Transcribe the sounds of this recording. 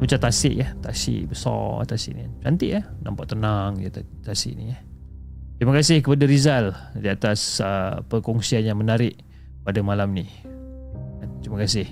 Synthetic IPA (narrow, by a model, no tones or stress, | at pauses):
bat͡ʃat̪asɪʔjat̪asɪ̰ʔbəsɔ̰t̪asḭʔnit͡ʃant̪ɪʔjahnampaʔt̪ənaŋjat̪asḭʔnija | t̪ɾimakasɪhkəpadaɾizaldiat̪asəpəkɔŋsianjaŋmənaɾɪʔ | padamalamni | ant̪ɾimakasɪh